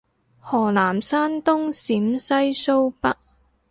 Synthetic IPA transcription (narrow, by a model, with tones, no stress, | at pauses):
hɔː˨˩laː˨˩msaː˥nt̪ʊ˥ŋsiː˨˥msɐ˥jso˥wpɐ˥k̚